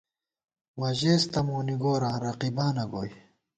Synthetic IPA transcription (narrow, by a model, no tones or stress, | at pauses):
wɐʑeːst̪ɐmoːniɡoːɾãːɾɐqibaːnɐɡoːj